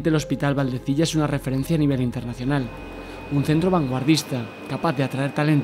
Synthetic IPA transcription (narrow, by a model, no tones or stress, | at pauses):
nt̪e̞lo̞spit̪alβald̪e̞θiʎaesunare̞fe̞ɾe̞n̟θjaːniβ̞elint̪e̞ɾnaθjonal | unθe̞nt̪ɾo̞β̞aŋɡwaɾðist̪a | kapaθðeat̪ɾaeɾt̪alent̪